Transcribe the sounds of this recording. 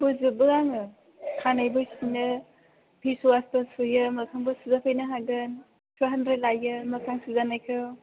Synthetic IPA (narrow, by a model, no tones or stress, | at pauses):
bɯzɯbɯaŋɯ | kʰanajbɯsinɯ | pʰisuwastasujɯmɐkʰaŋbɯsuzapʰajnɐɦaɡɯn | sʰuɦɐndɾelajɯmɐkʰaŋsuzanajkʰɯw